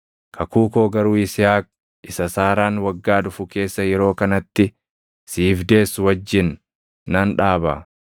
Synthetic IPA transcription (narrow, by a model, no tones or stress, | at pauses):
kʰɐkuːko̞ːɡɐɾuːɪsɪjaːk̚ | ʔɪsɐsaːɾaːnwɐɡːaːᶑ̪ʊfʊke̞ːsːɐjɛɾo̞ːkɐnɐt̪ːɪ | siːfd̪e̞ːswɐd͡ʒːɪnː | ɐnᶑaːba̰